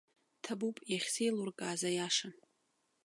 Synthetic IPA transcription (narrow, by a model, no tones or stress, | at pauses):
tʰabupʼjaχʲsejlurkʼaːzajaʂan